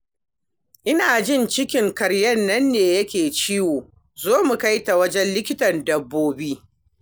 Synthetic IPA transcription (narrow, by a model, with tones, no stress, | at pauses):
ʔɪ˦naː˨d͡ʒɪ˦˨nt͡ʃɪ˦kʲɪ˨ŋkɐ˨ɽjɐ˦nːɐ˦nːeː˨jɐ˦kʲeː˨t͡ʃi˦woː˨ | zoː˦mu˨ka˦jta˨wɐ˦d͡ʒɛ˦nlɪ˦kʲɪ˦tɐ˨ndɐ˨bːoː˦biː˦